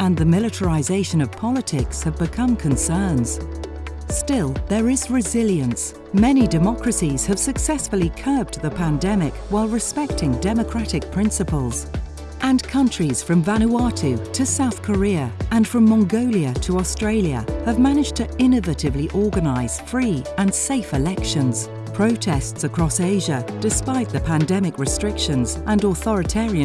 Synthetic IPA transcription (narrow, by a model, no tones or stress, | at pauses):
ə̃nðɨmɪlˠɨɾə˞ɪzeɪʃɨ̃nʌv̥pʰɑlˠətʰɪkshɨvbɨkʰʌ̃mkʰɨ̃nsɜ̃˞nz̥ | stɪlˠðə˞ɪzɹɨzɪlˠjɨ̃ns | mɛnidɨmɑkɹ̥ɨsiz̥ɨv̥sɨksɛsfəl̩ˠikʰɜ˞b̚dðəpʰæ̃ndɛmɪkwaɪlˠɹɨspɛk̚tɪ̃ŋdɛmɨkʰɹ̥æɾɨk̚pʰɹ̥ɪ̃nsɨpəl̩ˠz̥ | ʔə̃nkʰʌ̃nt͡ʃɹ̥iz̥fɹʌ̃ɱvænuɑɾʰʉtʰɨsaʊθkʰə˞iəə̃nfɹʌ̃mːɑ̃ŋɡoʊlˠiɨtʰəɔstɹ̥eɪlˠjə̰əvmæñɪd͡ʒtʰɨɪ̃nɨvɨɾɨvliʔɔɹɡɨnaɪz̥fɹiːə̃nseɪfɨlɛkʃɨ̃nz̥ | pʰɹ̥oʊtʰɛstsɨkʰɹ̥ɔseɪʒəd̥ɨspaɪt̪̚ðɨpʰæ̃ndɛmɨkɹɨstɹ̥ɪkʃɨ̃nzʔə̃nɔθɔɹɨtʰɛɹiɨ̃